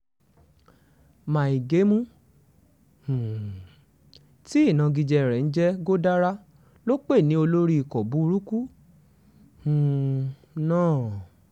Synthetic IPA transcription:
mã˨i˨ɡe˨˦mũ˦ | hũ˨ | ti˦i˦˨nã˧ɡi˧d͡ʒɛ˧˨ɾɛ˨n̩˦d͡ʒɛ˦ɡo˦da˦ɾa˦ | lo˦k͡pe˦˨nĩ˨˦o˧lo˦ɾi˦i˧kɔ˨bu˨˦˧ɾu˦ku˦ | hũ˨ | nãː˦˨

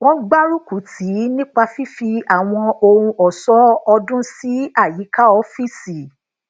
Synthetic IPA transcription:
wɔ̃˦ɡ͡ba˦ɾu˦ku˨˦tʰi˨˦nĩ˦k͡pa˧fi˦fi˧a˨w̃ɔ̃˧o˧ɾũ˧ʔɔ˨sɔ˨˦ɔ˧dũ˦si˨˦a˦˨ji˨˦ka˦ɔ˧˦fi˦si˨

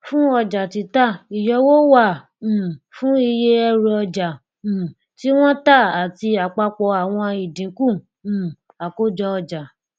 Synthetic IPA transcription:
fũ˦ɔ˧d͡ʒa˨ti˧˦ta˦˨i˨jɔ˧wo˦wã˦˨ | fũ˦i˧je˦ɛ˧ɾu˧ɔ˧d͡ʒã˨ | ti˦w̃ɔ̃˦ta˦˨a˨ti˧a˨k͡pa˧k͡pɔ˧˦a˨w̃ɔ̃˧i˨dĩ˨˦kũ˦˨ | a˨ko˦d͡ʒɔ˧ɔ˧d͡ʒa˨

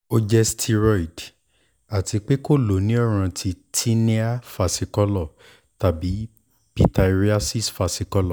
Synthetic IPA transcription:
o˧d͡ʒɛ˧stʰi˧ɾɔ˦˨i˨d | a˨ti˧k͡pe˦ko˦˨lo˨˦nĩ˦ɔ˦˨ɾ̃ã˧tʰi˧tʰi˦nĩ˦a˦fa˧si˧kɔ˦lɔ˦˨ | ta˨bi˨˦ | pi˦ta˧i˧ɾi˦a˦si˦sfa˧si˧kɔ˧˦lɔ˦˨

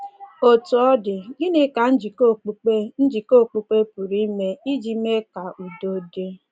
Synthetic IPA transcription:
o˨tu˨ɔ˦dɪ˨ɡɪ˦nɪ˦ka˨n̩˦d͡ʒi˨ko˦k͡pu˨e˦n̩˦d͡ʒi˨ko˦˨k͡pu˨k͡pe˦pu˨ɾi˦me˦i˦d͡ʒi˨me˦ka˨ʔu˨do˦de˦

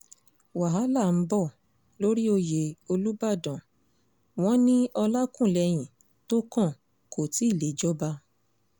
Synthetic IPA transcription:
wa˨ɦa˨˦la˦˨m̩˦bɔ˦˨ | lo˦ɾi˦o˧je˨o˧lu˦ba˦˨dɔ̃˨ | w̃ɔ̃˦nĩ˦ɔ˧la˦kũ˦˨lɛ˧j̃ĩ˨ | to˦kã˦˨ | kʰo˨ti˦i˦˨le˨˦d͡ʒɔ˦ba˧

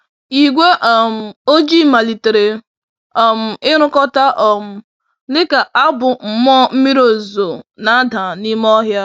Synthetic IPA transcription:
i˨ɡʷe˦ʔɔ˨m̩˨o˦d͡ʒi˦˨ma˨li˨te˨ɾe˨ | ɔ˨m̩˨ɪ˦ɾ̃ʊ˦kɔ˦ta˦ʔɔ˨m̩˦ | lɪ˦ka˨ʔa˦bʊ˨m̩˨mɔ˦m̩˦mi˦ɾo˨zo˨na˨˦da˨ni˦m˦ɔ˦ɦja˦

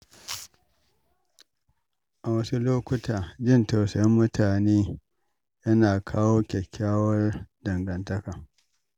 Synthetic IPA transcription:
ʔa˨wɐ˦su˦loː˦kʷʊ˦tʰaː˨d͡ʒɪ˦˨nta˨sɐ˨jɐ˦mːʊ˦tʰaː˨neː˦ | jɐ˦naː˨kʰaː˦woː˦kʲɛ˨kʲʰːaː˦wɐ˦rdɐ˨ŋɡɐ˨ntɐ˦kaː˨

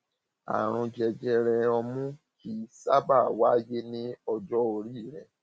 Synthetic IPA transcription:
a̰˨ɾ̃ũ˧d͡ʒɛ˧d͡ʒɛ˧ɾɛ˧ɔ˧mũ˦ki˦sa˦ba˦˨wa˦je˦nĩ˦ɔ˧d͡ʒɔ˦o˧ɾi˦˨ɾɛ˨

